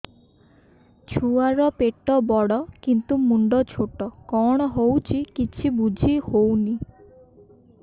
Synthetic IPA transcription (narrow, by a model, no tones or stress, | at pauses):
t͡ʃʰuaɾɔpeʈːɔbɔɽɔkint̪umuɳɖɔt͡ʃʰoʈɔkɔɽ̃ɔɦowt͡ʃʰikit͡ʃʰibud͡ʒʱihowni